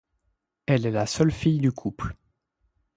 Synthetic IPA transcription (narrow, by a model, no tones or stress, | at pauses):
ɛlɛlasœlfijd̪ykʰupl